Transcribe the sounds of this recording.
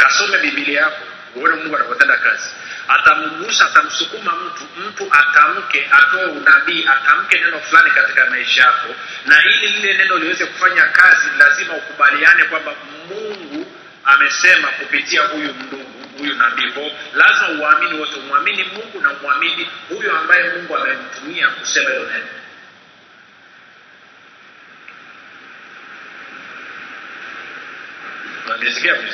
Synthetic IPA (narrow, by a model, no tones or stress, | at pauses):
kasɔmɛɓiɓilɛjakɔ | uɔnɛmũŋɡuanakɔtɛndakazi | atamuɠusaːtam̩sukumam̩tum̩tuʔatam̩kɛʔatɔɛunaɓiːʔatam̩kɛnɛnɔflanikati̥kamaiʃajakɔnailililɛnɛnɔiliwɛzɛku̥faɲakazinlazimaukuɓalianɛkwamba | muŋɡu | amɛsɛmakupitiahujum̩duɡuhujunaɓipɔlazimahuaːminiwɔtɛumuaminimuŋɡunamuaminihujuambajɛmuŋɡuamɛm̩tumiakusɛmaɛɔnɛnɔ | aliɛzikia